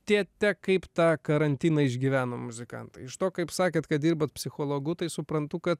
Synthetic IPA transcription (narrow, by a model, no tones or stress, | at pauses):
iɛt̪ʲɛkɐɪpt̪ɑːkɐɾɐnʲt̪ʲiːnɐɪʒʲɡʲiːʋʲæːnoːmʊzʲɪkɐ̰nt̪ɐɪɪʃt̪oːkɐɪpsɑːkʲeːt̪kɐt̪̚d̪ʲiːɾboːt̪̚pʲsʲɪxoːlˠoːɡʊt̪ɐɪsʊpɾɐnt̪ʊkɐt̪